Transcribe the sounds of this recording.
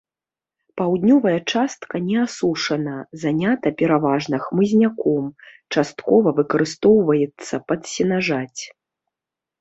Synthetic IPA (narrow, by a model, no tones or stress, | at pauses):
pawd̪nʲɔvɐjɐt͡ʂast̪kɐnʲɛasuʂɐnɐzanʲat̪ɐpʲɛɾavaʐnɨxmɨzʲnʲakɔmt͡ʂast̪kɔvɐvɨkɐɾɨst̪ɔwvɐjɛt̪sːɐpɐt̪sʲɛnaʐat͡sʲ